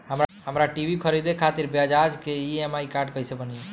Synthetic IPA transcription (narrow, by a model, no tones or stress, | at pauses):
ɦəmɾɦəmɾaʈibʱikʰəɾid̪ekʰat̪iɾbjad͡ʒad͡ʒkeiemaikaɾɖ̚kəɦjsebəni